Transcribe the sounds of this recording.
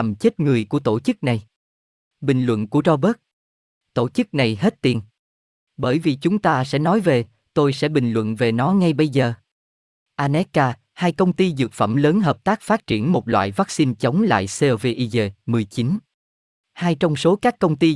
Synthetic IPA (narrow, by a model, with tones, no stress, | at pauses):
a˨˩mt͡ɕe˦˥t̚ŋɨ˨˩əjku˧˩ət̪o˧˩t͡ɕɨ˦˥k̚na˨˩j | ɓï˨˩ŋ̟lwə̰˧˨nku˧˩ətɔ˧ɓə˦˥k̚ | t̪o˧˩t͡ɕɨ˦˥k̚na˨˩jɦe˦˥t̚t̪i˨˩ən | ɓəː˧˩jvi˨˩t͡ɕʊ˨˦ŋ͡mt̪aː˧sɛ̰˧˥nɔ˨˦jve˨˩ | t̪o˧jsɛ̰˧˥ɓï˨˩ŋ̟lwə̰˧˨nve˨˩nɔ˨˦ŋa˧jɓə˧jzəː˨˩ | ʔaː˧nɛ˦˥kːaː˧ | haː˧jkə˧wŋ͡mt̪i˧zɨ˨˩k̚fə̰˧˩mləː˨˦nɦəː˨˩p̚t̪aː˦˥k̚faː˦˥t̚t͡ɕi˧˩ənmo˨˩t̚lwa̰ː˧˨jvaː˦˥k̚si˧nt͡ɕə˨˦wŋ͡mla̰ː˧˨jse˧ve˧ʔi˧ze˧mɨ˨˩əjt͡ɕi˨˦n | haː˧jt͡ɕɔ˧wŋ͡mso˨˦kaː˦˥kːə˧wŋ͡mt̪i˧